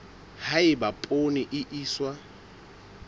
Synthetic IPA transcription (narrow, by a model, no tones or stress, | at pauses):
haɪbapʼonɪʔɪʔiːswa